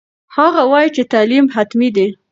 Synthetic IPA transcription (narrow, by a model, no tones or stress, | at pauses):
haɣawɑjt͡ʃet̪alimɦat̪mid̪i